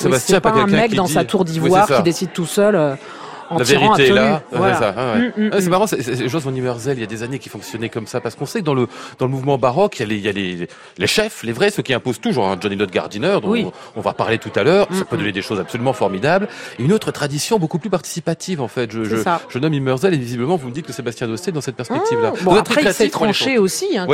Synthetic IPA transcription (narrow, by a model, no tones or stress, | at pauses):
sebast̪jjɛ̃pakɛlkɛ̃mɛkd̪ɑ̃iat̪uʁd̪iviwaɛʁskid̪esid̪̚t̪usœlø | ɑ̃laveɛʁĩaelaɛwaseasaɛwɛɛsɛmaʁɑ̃sɛsɛʒɑ̃sɔ̃nimœʁzɛlijad̪ezanekʲi̥fɔ̃ksjɔnɛkɔmsapaʁsə̥kɔ̃sɛk̚d̪ɑ̃ləd̪ɑ̃ləmuvmɑ̃baʁɔkijalejale | leʃɛflevʁɛsøkʲiɛ̃pozt̪uʒɑ̃ʁɛ̃d͡ʒɔnilɔt̪̚ɡa̰ʁd̪inœʁd̪ɔ̃wk | ɔ̃va̰pa̰ʁlet̪ut̪alœːʁssapød̪ɔned̪eʃozabsɔlymɑ̃fɔʁmid̪ableynot̪χət̪χad̪isjɔ̃bokuplypaʁt̪i̥sipat̪ʰivɑ̃fɛt̪ʒəʒəaʒ̥ənɔmimœʁzɛlevizibləmɑ̃vuməd̪it̪̚kəsebast̪jɛ̃d̪ost̪ed̪ɑ̃sɛt̪̚pɛʁspɛkt̪ivlabuzɛt̪χst̪ʰeʃeosiɛ̃w